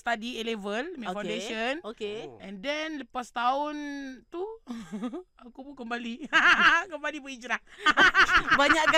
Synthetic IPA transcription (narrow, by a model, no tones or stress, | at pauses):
st̪adielevəlmɛfawndeənokeʔɛ̃ndɛnləpast̪aʊnt̪u | akubukəmbali | kəmbalibəid͡ʒɾah | baɲaʔk